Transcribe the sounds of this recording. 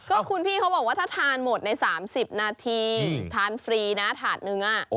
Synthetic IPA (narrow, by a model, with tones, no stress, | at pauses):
kɔː˥˩kʰu˧npʰiː˥˩kʰa˦˥wbɔ˨˩k̚wa˦˥˩t̪ʰaː˥˩t̪ʰaː˧nmo˨˩t̪̚na˧jsaː˩˦msi˨˩p̚naː˧t̪ʰiː˧t̪ʰaː˧nfɾiː˧na˦˥t̪ʰaː˨˩t̪̚nɯ˧ŋʔa˨˩ʔ